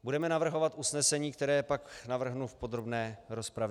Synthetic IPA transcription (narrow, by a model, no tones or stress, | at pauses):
budɛmɛnavr̩ɦo̞vat̪ʔusnɛsɛɲiːkt̪ɛɾɛːpaknavr̩ɦnufpo̞d̪ɾobnɛːɾo̞spɾavɛ